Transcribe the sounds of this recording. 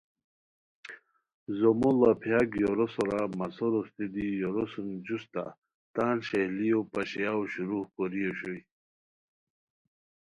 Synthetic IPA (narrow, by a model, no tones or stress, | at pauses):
zomulapʰjaɡjoɾosoɾamasoɾost̪id̪ijoɾosund͡ʑust̪a̰ | t̪aːnɕehlijopaɕejawɕuɾuhkoɾijoɕuj